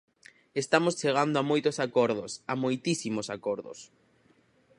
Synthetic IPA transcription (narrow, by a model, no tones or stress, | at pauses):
est̪amost͡ʃeɣ̞and̪oamojt̪osakɔɾðosamojt̪isimosakɔɾðʊ̰s